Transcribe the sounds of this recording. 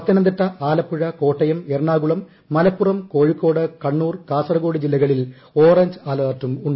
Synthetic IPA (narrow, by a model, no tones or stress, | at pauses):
ɐt̪ːinɐnd̪ɐʈːɐʔaːlɐpːuɻɐko̞ːʈːɐjɐmeːrɳaːɡuɭɐmː | ɐlɐpːurɐmko̞ːɻikːo̞ːɽɨkɐɳːuːrkaːsɐrɐɣo̞ːɽɨd͡ʑilːɐɣɐɭil | oːrɐɲd͡ʑɨaːlɐːrtːumuɳɖɐ